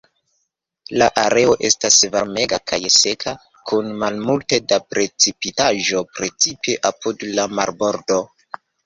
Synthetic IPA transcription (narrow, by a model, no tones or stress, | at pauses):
laʔaɾe̞o̞ʔe̞̰stasvaɾme̞ɡakʰajse̞kʰa | kʰunmalmulte̞dapɾe̞t͡sipitaʒo̞pɾe̞t͡sipeʔapudlamaɾbo̞ɾdo̞